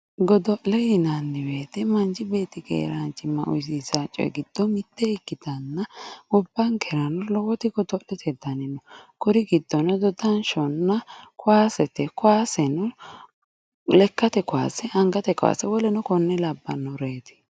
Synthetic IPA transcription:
ɡɔd̪ɔʔlɛjɪnanːɪbeːt̪ɛmɐnd͡ʒɪbe̞ːt̪ːɪkḛːɾant͡ʃːɪmːɐ̰ʔʊ̰js̬isat͡ʃʼːɔ̰jɛ̰ɡɪd̪̥ːɔmɪt̪ːɛɪkːɪd̪ɐnːɐwɔbːɐŋkʰɛɾɐnɔlɔwɔt̪ɪɡɔd̪ɔʔlɛt̪ʰɛd̪ɐnɪnɔkʊɾɪɡɪd̪ːɔnɛd̪ɔd̪ɐnʃɔnːɐkʊwaːsɛt̪ɛkʊwaːsɛnʊ | lɛkːɐt̪ɛkʊwa̰ːsɛʔɐŋɡɐt̪ɛkʊa̰ːsɛwɔlɛnʊkɔnːɛlɐbːɐ̰nːɔɾeːt̪ɪ̥

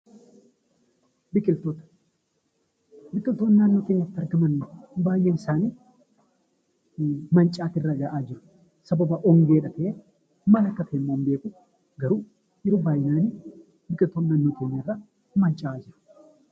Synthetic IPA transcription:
bɪkʼɪlt̪oːt̪ɐ̥ | bɪkʼɪlt̪oːnːaːnːoːkeɲːɐt̪ːɐɾɡɐmɐnːbaːjːeːnɪsaːniː | mɐnt͡ʃʼaːt̪ɪrːɐɡɐʔaːd͡ʒɪɾʊ̥ | sɐbɐbɐʔɔŋɡe̞ːᶑɐt̪ɐʔeː | mɐlɐkːɐt̪emːoːmbe̞ːkʊ | ɡɐɾuː | ʔɪɾubaːjɪnaːni | bɪkʼɪlt̪oːnːaːnːoːkeːɲːerːa | mɐnt͡ʃʼaːd͡ʒɪɾʊ̥

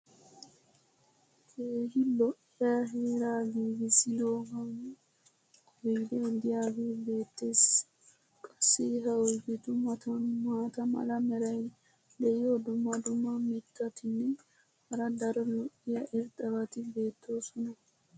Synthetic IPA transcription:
keːhɪlɔʔɪjaɦeːɾaːɡiːɡɪsɪd̪oːɡɐŋ | bileːd̪ɪjaːɡibe̞ːt̪ːes | kʼɐ̥sːiɦɐwɔɡɪt̪ʊmɐt̪ɐnmaːt̪ɐmɐ̰lɐmɛɾɐj | d̪ɛʔɪjoːd̪ʊmːɐd̪ʊmːɐmɪkːɐt̪ɪnːɛ | hɐɾɐd̪ɐɾɔlɔʔɪjɐʔɪɾt̪ʼɐbɐt̪ɪbe̞ːt̪ʰːoːsɔnɐ

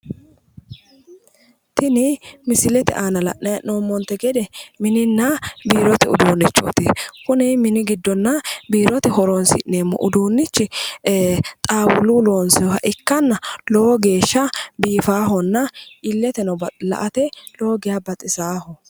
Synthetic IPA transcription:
t̪ɪnɪmɪsɪlɛt̪ɛ̰ʔaːnɐlɐ̰ʔnɐjnoːmːɔnt̪ɛɡɛd̪ɛmɪnɪnːɐbiːɾɔt̪ɛʊ̰d̪uːnːɪt͡ʃʼːo̰ːt̪ɪkʊnɪmɪnɪɡɪd̪ːɔnːɐbiːɾɔt̪ɛhɔɾonsɪ̰ʔneːmːɔ̰ʔʊd̪uːnːɪt͡ʃːɪ | t̪ʼaːwʊluːlo̞ːnsɛɔɦɐʔɪkːɐnːɐlɔwɔɡe̞ːʃːɐbiːfaːɦɔnːɐʔɪlːɛt̪ɛnɔbɐlɐ̰ʔɐt̪ɛlo̞ːɡɪjaːbɐt̪ʼːɪsaːhɔ

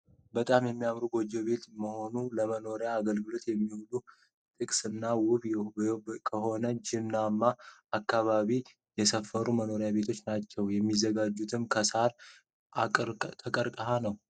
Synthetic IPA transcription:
bət̪ʼamjɛmːijamɾuɡo̞d͡ʒo̞be̞t̪məho̞nuləməno̞ɾjaːɡəlɡɨlo̞t̪jɛmːihulu | t̪ʼɨkʼsɨnːawʊβ | kʰəɦo̞nəd͡ʒɪnːamːaːkːaβaβi | jɛsəfːəɾuməno̞ɾjabe̞t̪ʰo̞t͡ʃːnat͡ʃːɛwjɛmːizːəɡad͡ʒːut̪ʰɨmkʰəsaɾ | t̪ʰəkʼəɾkʼəhanəw

